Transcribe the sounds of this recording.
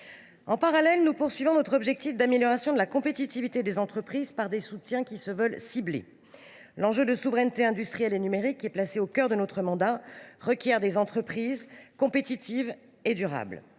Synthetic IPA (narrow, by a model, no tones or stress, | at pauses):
ɑ̃paʁalɛlnupuʁsɥivɔ̃nɔt̪χɔbʒɛk̚t̪ifd̪ameljɔʁasjɔ̃d̪əlakɔ̃pet̪it̪ivit̪ed̪ezɑ̃t̪χəpχizpaʁd̪esut̪jɛ̃kʲisəvœlsiblḛ | lɑ̃ʒød̪əsuvʁɛnt̪eɛ̃d̪yst̪χijɛlenymeʁikːɛplaseokʲœʁd̪ənɔt̪χəmɑ̃d̪aʁəkʲjɛʁd̪ezɑ̃t̪χəpχizkɔ̃pet̪it̪ʰiv | ed̪yʁa̰bl